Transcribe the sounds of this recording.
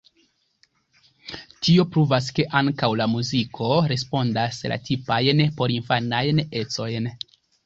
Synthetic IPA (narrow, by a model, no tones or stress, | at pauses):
tio̞pɾuvas̬ke̞ʔaŋkawlamuzikʰo̞ɾe̞spo̞ndasla̰tʰipajnpo̞ɾinfanajne̞t͡so̞jn